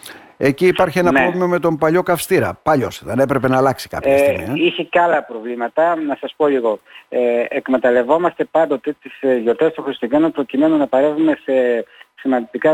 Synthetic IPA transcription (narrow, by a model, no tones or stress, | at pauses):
e̞ciːpɐɾçie̞nɐeovmiome̞t̪o̞mpɐʎo̞kɐfst̪iɾɐ̰pɐʎo̞sðene̞pɾe̞pe̞nɐːlɐksi̥kɐ̰pçɐsmḭɐiçecɐlɐpɾo̞vlimɐt̪ɐnɐsɐspo̞liɣo̞eekme̞t̪ɐle̞vo̞mɐst̪e̞pɐnd̪o̞t̪e̞t̪isʝo̞ɾt̪est̪oxɾist̪uʝenopɾo̞cime̞nunɐpɐɾevume̞se̞simɐnd̪id̪ikɐ